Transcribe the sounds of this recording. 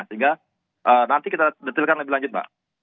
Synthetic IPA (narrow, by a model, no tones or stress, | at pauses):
səɦiŋɡa | ʔəːnant̪ikit̪adət̪ɪlkanləbɪlaɲd͡ʒʊt̪̚ba̰ʔ